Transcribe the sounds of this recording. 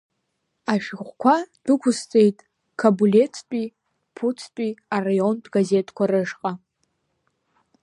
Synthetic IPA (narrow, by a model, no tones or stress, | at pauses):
aʃɡʁʷkʷʰad̥ɨkʷʰʊst͡sʼe̞jtʼ | kʰabule̞t͡sʰpʼi | pʰut͡sʰpʼiarajo̞ndɡaze̞tʰkʷʰaɾɨʂqʼa